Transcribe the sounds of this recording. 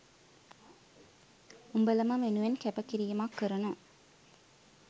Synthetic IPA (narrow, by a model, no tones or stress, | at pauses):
umbɐlɐmaʋenɯʋɐnkɛpɐkːiɾɪjɐmaːkːɯɾɐnũ